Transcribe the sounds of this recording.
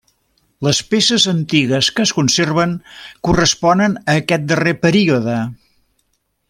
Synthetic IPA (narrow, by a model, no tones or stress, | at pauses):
ləspesəzənt̪iɣəskəːskunserβ̞əŋkurəspɔnənəːkɛt̪̚d̪ərepəɾiuðə